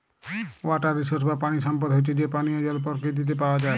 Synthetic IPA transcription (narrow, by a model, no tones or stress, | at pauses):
waʈaɾisəɾsbapaɽ̃isɔmp̬əd̪ɦojt͡ʃʰed͡ʒepañiɔd͡ʒɔlpɔɾkid̪it̪̬epawad͡ʒa